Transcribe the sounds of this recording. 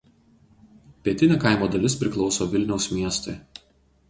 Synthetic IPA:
pʲiɛt̪ʲɪnʲɛːˑkɑˑɪmoːd̪ɐlʲɪspʲɾʲɪklˠɒʊsoːʋʲɪlʲnʲɛʊsmʲiɛst̪ɐɪ

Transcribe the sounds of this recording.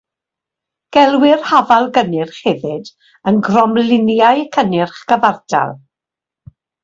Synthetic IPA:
ɡ̥ɛlˠwɪrhavalˠɡənɪrχhɛvɪd | ənɡrɔmlɪnjaɨkʰənɪrχɡəvarda̰lˠ

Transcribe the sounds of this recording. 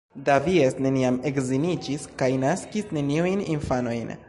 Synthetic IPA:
daviesne̞niame̞kzinid͡ʒiskajnaskisne̞niujninfano̞jn

